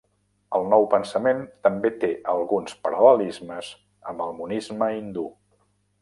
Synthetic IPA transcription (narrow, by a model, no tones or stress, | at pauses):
əlˠnɔwpənsəment̪əmbet̪eʔəlˠɣunspəɾələlizməz | əmbəlˠmunizməind̪u